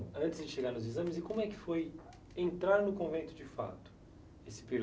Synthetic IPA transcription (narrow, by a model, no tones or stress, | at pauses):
ɐ̃nt͡ʃ̪ɪzd͡ʒɪʃeɡaɾnʊzizɐ̃mɪzɪkõmʊɛkɪ̥foj | ẽnt̪ɾaɾnʊkõvẽnt̪ʊd͡ʒɪfa̰t̪ʊ̥ | esɪ̥peɾ